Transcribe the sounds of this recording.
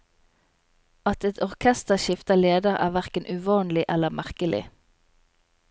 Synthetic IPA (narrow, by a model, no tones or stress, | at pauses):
ɑt̪ɛt̪ʰɔʁkʰɛst̪əʃɪft̪əleːd̪əʁæ̰ːʋæʁkənʔʉʋɑːnlɪʔɛləmʔæʁkəlʔɪ̰